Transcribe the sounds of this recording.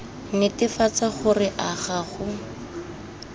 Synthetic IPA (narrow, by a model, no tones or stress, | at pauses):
nɪtɪfat͡saχʊrɪʔaχaχʊ